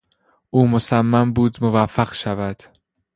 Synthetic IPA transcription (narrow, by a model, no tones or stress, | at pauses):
ʔuːmosæmːæmbuːd̪movæfːæɢʃævæd̪̥